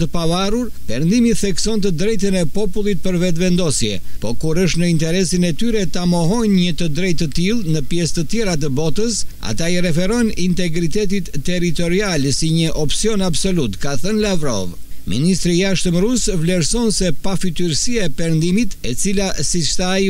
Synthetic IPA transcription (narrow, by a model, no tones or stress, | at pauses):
t̪əpavaruɾ | pɛɾnd̪imiθɛksɔnt̪əd̪ɾɛjt̪̬ənɛpɔpulˠit̪̚pəɾvɛt̪vɛnd̪ɔsjɛ̰pɔkuɾəʃt̪nəint̪ɛɾɛsinɛt̪yɾɛt̪amɔɦɔjnɲət̪əd̪ɾɛjt̪ːət̪ilˠnəpjɛst̪ət̪jɛɾat̪̬əbɔt̪əsa̰t̪aiɾɛfɛɾɔjnint̪ɛɡɾit̪ɛt̪it̪ːɛɾit̪ɔɾialɛsiɲəʔɔpsiɔnabsɔlut̪kaθənlavɾɔ̰v | mḭnist̪ɾijaʃt̪əmɾusvlɛɾsɔnsɛpafit̪yɾsiaɛpɛɾnd̪imit̪ɛt͡silasit͡ʃt̪ai